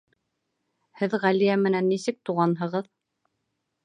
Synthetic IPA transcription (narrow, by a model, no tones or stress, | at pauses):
hɘðʁælijæmɘ̆nænːisɘk̚t̪uʁɑnɦɤ̆ʁɤð